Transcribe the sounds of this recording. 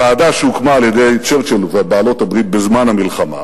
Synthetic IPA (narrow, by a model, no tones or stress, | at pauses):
aːd̪aʃeukmaːljed̪e̞jt͡ʃeʁt͡ʃelveabaːlo̞t̪habʁit̪̚bezmanhamilχama̰